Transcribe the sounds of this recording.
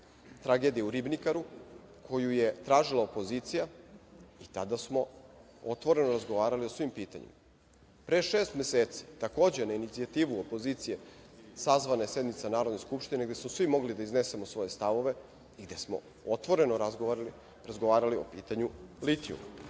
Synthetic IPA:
t̪ɾaɡeːd̪ijeuɾibnikaɾu | kʰo̞juje̞t̪ɾaːʒilˠaopo̞ziːt̪sija | it̪ad̪asmo̞ | ot̪ʋo̞ɾe̞noɾazɡoʋaːɾalio̞sʋimpiːt̪a̰ɲḭma | pɾeʃeːst̪me̞seːt̪si̥t̪ako̞ːd͡ʑenainit̪siat̪iːʋuopo̞ziːt̪sije̞sazʋanaesje̞d̪nit̪sanaːɾod̪ne̞skupʃt̪ine̞ɡd̪e̞smosʋimo̞ɡlid̪aizne̞se̞mo̞sʋo̞je̞st̪aʋo̞ʋe̞ | iɡd̪e̞smo̞̰ | ot̪ʋo̞ɾe̞noɾazɡoi | ɾazɡoʋaːɾalio̞̰piːt̪aɲulit̪iṵm

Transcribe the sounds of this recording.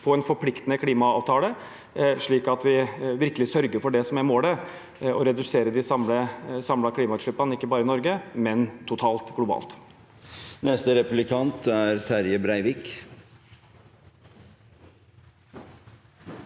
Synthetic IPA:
pʰɔɛnfɔɾpʰlɪkt̪ənəkʰliːmɑɑːʋt̪ʰɑːlə | ʂɭiːkɑt̪ʋɪʋɪɾkəlɪsœɾɡəɾfɔɖɛsɔmæɾmoːlə | ɔɾɛd̪ʉseːɾəd̪ɪsɑmləsɑmlɑkʰliːmɑʉt̪ʂɭʏpːɑnəɪkːəbɑːɾəɪnɔɾɡəmɛnt̪ʰʊt̪ʰɑːlt̪ɡlʊbɑ̰ːlt̪ | nɛst̪əɾɛpʉlɪkʰɑnt̪æɾt̪ʰæɾjəbɾæɪʋɪk

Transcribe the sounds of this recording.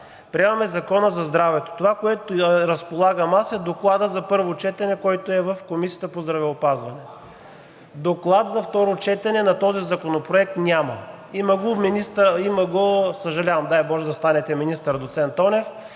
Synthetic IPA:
pɾʲiɛmɐmɛzɐkɔnəzɐzd̪ɾavɛt̪o̥t̪ovakoɛt̪ʊɾəspolˠaɡəmasɛd̪oklˠad̪əzɐpɤɾvot͡ʃɛt̪ɐnɛkɔjt̪oɛvəfkomisijə̥t̪əpozd̪ɾɐvɛopazvɐnɛ | d̪oklˠat̪zɐft̪ɔɾot͡ʃɛt̪ɐnɛnɐt̪ɔzizɐkonopɾoɛk̚t̪nʲamə | imɐɡominist̪imɐɡosəʒɐlʲavɐmd̪ajbɔʒɛd̪ɐst̪anɛt̪ɛminist̪əɾd̪ot̪sɛnt̪ɔnɛf

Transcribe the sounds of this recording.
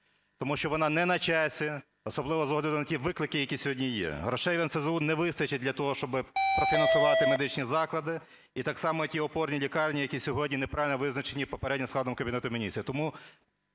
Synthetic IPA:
t̪ɔmuʃt͡ʃɔʋɔnɑnɛnɐt͡ʃɑsʲi | ɔsɔblˠɪʋɔzɔɦɔlʲɐd̪ɪnɐtʲiʋɪklˠɪkɪjɐkʲisʲɔɦɔdʲnʲijɛ̰ɦɾɔʃɛjʋʲɐnsezunɛʋɪst̪ɐt͡ʃɪt̚ʲdlʲɐt̪ɔɦɔʃt͡ʃɔbɪpɾɔfʲinɐnsʊʋɑt̪ɪmed̪ɪt͡ʃnʲizɑklˠɐd̪ɪ | it̪ɑksɑmɔtʲiɔpɔrnʲilʲikɑrnʲijɐkʲisʲɔɦɔdʲnʲinepɾɑʋʲɪlʲnɔʋɪznɐt͡ʃenʲipɔpeɾɛdʲnʲɪmsk̪lˠɑd̪ɔmkɐbʲinɛt̪ʊmʲinʲit͡s̪ʲijɐt̪ɔmu

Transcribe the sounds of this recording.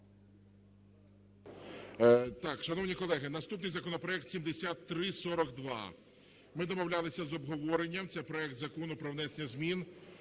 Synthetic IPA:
t̪ɑkʃɐnɔwnʲikɔlˠɛɦɪnɐst̪upnɪjzɐkɔnɔpɾɔɛk̚t̪sʲimd̪esʲat̪ːɾɪsɔɾɔkd̪ʋɑ̰ | mɪd̪ɔmɔwlʲalˠɪsʲɐzɔbɦɔʋɔɾenʲːɐmt̪sɛjpɾɔɛk̚t̪zɐkɔnʊpɾɔwnɛsʲnʲɐzʲmʲin

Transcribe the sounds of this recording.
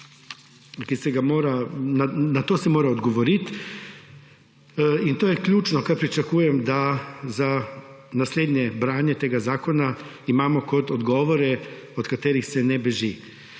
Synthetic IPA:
kisɛɡamoːɾananat̪oːsɛmoːɾaɔd̪ɡɔʋɔɾit̪ | int̪oːjɛklʲuːt͡ʃnɔkaɾpɾit͡ʃakuːjɛmd̪aza | nasleːd̪nʲjɛbɾaːnjɛt̪eːɡazaːkɔna | imaːmɔkɔt̪ɔd̪ɡɔːʋɔɾɛ | ɔt̪kat̪eːɾixsɛnɛbɛʒi

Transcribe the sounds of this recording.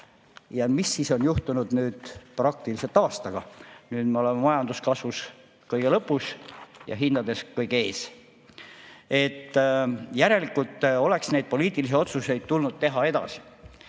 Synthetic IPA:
jɑmisːiso̞njuht̪unud̪̥nyːd̪̥prɑk̚t̪iliselt̪ɑːst̪ɑɡ̥ɑnyːd̪meo̞le̞memɑjɑnd̪uskɑsvus | kɤjɡ̥elɤpːˑusjɑ̰ɦind̪ɑd̪e̞skɤjɡee̞ːs | e̞t̪ːjæɾe̞likult̪ːo̞le̞ksne̞jd̪̚po̞liːt̪ːˑilis̬io̞t̪suse̞jd̪̥̚t̪ulnud̪̥̚t̪e̞ɦɑe̞d̪ɑ̰si̥

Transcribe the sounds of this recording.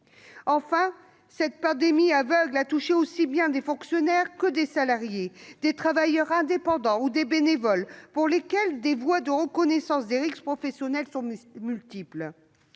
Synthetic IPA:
ɑ̃fɛ̃ | sɛt̪̚pɑ̃d̪emiavœɡlat̪uʃeosibjɛ̃d̪efɔ̃ksjɔnɛʁkəd̪esalaʁjed̪et̪χavajœʁɛ̃d̪epɑ̃d̪ɑ̃ud̪ebenevɔlpuʁlekʲɛld̪evwad̪əʁəkɔnɛsɑ̃sd̪eʁikpχɔfɛsjɔnɛlsɔ̃mylt̪ipl

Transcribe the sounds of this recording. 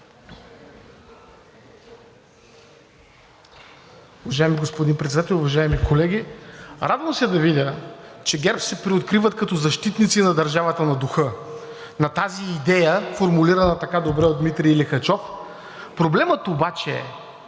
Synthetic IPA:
ʊvɐʒaɛmiɡospod̪inpɾɛt̪sɛd̪at̪ɛlˠʊvɐʒaɛmikʰolɛɡʲiɾad̪vəmsiɛd̪ɐvidʲət͡ʃɛɡʲɛɾpsɛpɾiot̪̚kɾivɐt̪kɐt̪ɔzɐʃt̪it̪nit̪sinɐd̪ɐɾʒavɐt̪ənɐd̪uxɤ | nɐt̪aziːd̪ɛjəfoɾmuliɾɐnət̪ɐkad̪obɾɛod̪d̪mit̪ɾiilixɐt͡ʃɔf | pɾoblɛmət̪obat͡ʃɛɛ̰

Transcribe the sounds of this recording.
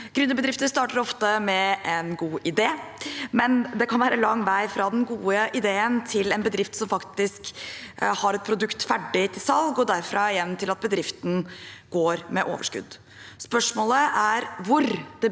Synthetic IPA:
ɡ̥ɾʉnːəbəd̪ɾɪft̪əɾst̪ɑːʈəɾɔft̪əmɛʔɛnɡuːʔɪd̪eːmɛnd̪ɛkʰɑnʋæːɾʔəlɑŋːʋæɪfɾɑd̪ɛnɡuːəʔɪd̪eːənt̪ʰɪlɛnbəd̪ɾɪft̪sɔmfɑkt̪ɪsk | hɑɾɛt̪̚pʰɾʊd̪ʉkt̪fæɖɪt̪ʰɪlsɑlɡɔd̪æɾfɾɑɪjɛnnt̪ʰɪlɑt̪̚bəd̪ɾɪft̪n̩ɡ̥oːɾmɛʔo̰ːʋəʂkʉ̰d̪ | spœʂmoːləʔæɾʋʊɾd̪ɛ

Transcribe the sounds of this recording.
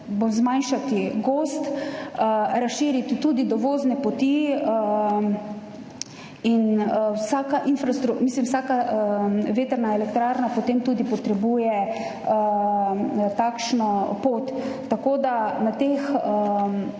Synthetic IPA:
bzmajnʃat̪iɡoːst̪ | ɾasʃiːɾit̪it̪uːd̪id̪ɔʋoːznɛpɔt̪i | inwsaːkaʔinfɾast̪ɾumislimwsaːka | ʋeːt̪əɾnaɛlɛkt̪ɾaːɾnapot̪emt̪uːd̪ipɔt̪ɾɛbuːjɛ | ə | t̪akʃnɔpoːt̪ː | akoːd̪anat̪ex

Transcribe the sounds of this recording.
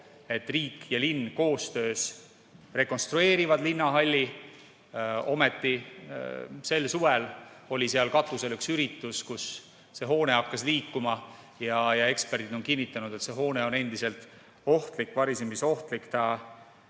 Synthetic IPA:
e̞t̪ːˑriːkjɑlinːko̞ːst̪ø̞ːs | re̞ko̞nst̪ɾue̞ːɾivɑd̪linːɑɦɑlʲːi | o̞̰met̪ːi | se̞lsuveɛlo̞lʲiseɑlkɑt̪ːˑuselyksyɾit̪ːˑuskus | se̞ɦo̞ːne̞ɑkːɑsliːkːumɑ | jɑjɑe̞kspe̞rd̪̥id̪o̞nkinːit̪ːˑɑnud̪̥e̞t̪se̞ɦo̞ːne̞o̞ne̞nd̪̥ise̞lt̪ˑ | o̞ht̪likːvɑɾisemiso̞ht̪likt̪ɑ

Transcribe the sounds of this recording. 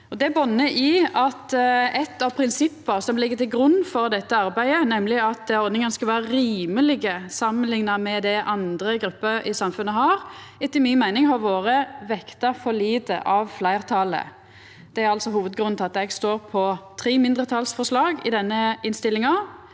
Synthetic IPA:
ɔd̪ɛæbɔnːəʔɪɑt̪ɛt̪ːɑʋpʰɾɪnsɪpːəɾsɔmlɪɡːət̪ʰɪlɡɾʉnːfɔɾd̪ɛt̪ːəɑɾbæɪənɛmlɪɑt̪̚d̪ɛɾɔɾd̪nɪŋənskɑʋæːɾəɾiːməlɪɡəsɑmːənlɪŋnɑmɛd̪ɛʔɑnd̪ɾəɡɾʉpːəɾɪsɑmfʉnːəɦɑɾɛt̪ːɪmɪnmæɪnɪŋhɑɾʋoːɾəʋɛkt̪ɑfɔliːd̪ə̰ʔɑʋflæɪʁt̪ʰɑːlə̰ | d̪̥ɛæɾɑlsɔɦuːʋəd̪̚ɡɾʉnnʰɪlɑt̪ɛɡst̪oːɾpʰɔt̪ʰɾiːmɪnd̪ʁət̪ʰɑlsfɔʂlɑːɡɪd̪ɛnːəɪnst̪ɪlːɪŋɑ

